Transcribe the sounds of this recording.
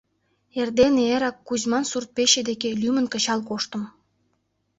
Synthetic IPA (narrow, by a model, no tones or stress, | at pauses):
erd̪eneeɾɑkːuʑmɑnsurt̪̚peɕĕd̪ekelʲymə̆nkə̆ɕɑlkoʃt̪ə̆m